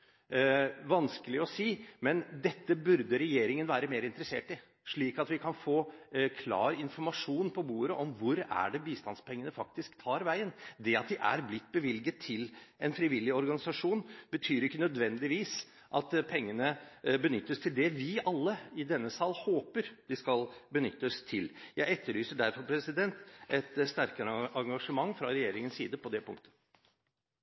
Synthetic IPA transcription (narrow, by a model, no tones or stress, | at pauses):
ʋɑnskəlɪɔsiːmɛnd̪ɛt̪ːəbʉɾd̪əɾɛjeːɾɪŋənʋæːɾəmeːɾɪnt̪ɾəsḛːʈɪ | ʂɭiːkɑt̪ʋɪkʰɑnfoːkʰlɑ̰ːɾɪnfɔɾmɑʂuːnpʰɔbuːɾəʔɔmʋʊɾæ̰ɖɛbiːst̪ɑnspʰɛŋːənəfɑk̚t̪ɪskt̪ʰɑːɾʋæɪənd̪ɛɑt̪̚d̪ɪʔæ̰ɾblɪt̪ːbəʋɪlɡət̪ʰːɪlɛnfɾɪʋɪlːɪəɔɾɡɑnɪsɑʂuːnb̥ət̪ʰyːɾɪkːənœd̪ʋɛnd̪ɪʋiːs | ʔɑt̪pʰɛŋːənəbənʏt̪ːəst̪ʰɪld̪ɛʋɪɑlːəɪd̪ɛnːəsɑːlhoːpəɾd̪̥ɪskɑlbənʏt̪ːəst̪ʰɪljæɪɛt̪ːəɭyːsəɖæɾfɔɾpʰɾɛsɪd̪ɛnt̪ɛt̪st̪æɾkəɾʔɑŋɡɑʂəmɑŋːfɾɑɾɛjeːɾɪŋənsiːd̪əpʰɔd̪ɛpʰʊ̰ŋkt̪ə̥